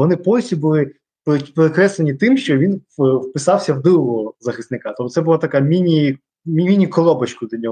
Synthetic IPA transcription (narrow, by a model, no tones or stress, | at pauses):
ʋɔnɪpɔjʲsʲibʊlˠɪ | ppeɾɪkɾɛslˠenʲit̪ɪmʃt͡ʃɔʋʲinwpɪsɑwsʲɐwd̪ɪlˠɔɔzɐxɪst̪nɪkat̪ɔp̚t̪ɔsɛbʊlˠat̪ɐkamʲinʲi | mʲiinʲikɔlˠɔbɐt͡ʃkʊd̪lʲɐnʲɔɦ